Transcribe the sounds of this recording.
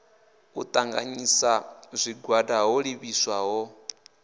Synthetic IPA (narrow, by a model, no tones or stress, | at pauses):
ut̪ʼaŋɡa̰ɲisazʷiɡwadaɦɔɺiβiswaɦɔ